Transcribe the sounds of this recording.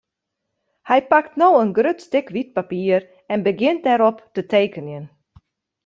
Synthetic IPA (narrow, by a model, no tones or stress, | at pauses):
hɛjpaktnowənɡrøtstɪkʋit̚papiər | ɛnbəɡjɪnt̚dɛɾɔptətʰeːkənjən